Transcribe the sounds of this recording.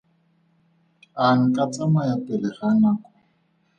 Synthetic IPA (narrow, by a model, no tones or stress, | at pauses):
aŋ̩kʼat͡sʼamajapʼɛlɛχanaːkɔ̥